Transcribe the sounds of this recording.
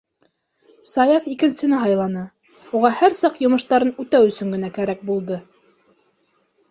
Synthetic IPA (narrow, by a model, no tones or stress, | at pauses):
sɑjɑfikɘ̆nsɘ̆nɘɦɑjlˠɑnɤ | uʁɑhæɾsɑqjŏmɤ̆ʃt̪ɑɾɤnʉt̪æwɵ̆sɵŋɡɘ̆nækæɾæk̚bulˠd̪ɤ